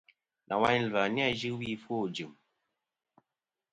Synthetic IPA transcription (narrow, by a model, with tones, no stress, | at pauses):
nʔa̰˨wa˦ɲ˦lwa˨n˦a˦˨d͡ʒɨ˦wi˦˨fo˦˨d͡ʒɨ˨m